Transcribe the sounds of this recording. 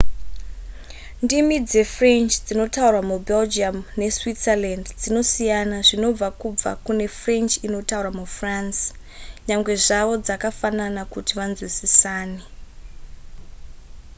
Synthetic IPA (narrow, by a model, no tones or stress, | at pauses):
ndimid͡ze̞frent͡ʃd͡zino̞taurwamubeld͡ʒiamne̞switserlandd͡zino̞sijanaʐino̞b͡vakub͡va̰kune̞frent͡ʃino̞tauramufrans | ɲaŋɡwe̞ʐaʋo̞d͡zakafananakutiʋand͡zwisisaːne